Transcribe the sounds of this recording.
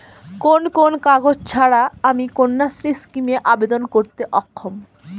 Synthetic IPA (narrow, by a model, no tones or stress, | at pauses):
konkonkaɡod͡ʑt͡ɕʰaɽaamikonːasɾiskimeʔabed̪onkoɾt̪eʔɔkʰːom